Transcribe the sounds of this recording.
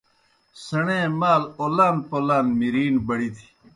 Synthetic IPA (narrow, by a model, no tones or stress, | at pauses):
sɐɳẽːmaːloːlaːnpoːlaːnmiɾiːnbɐɽit̪ʰi̥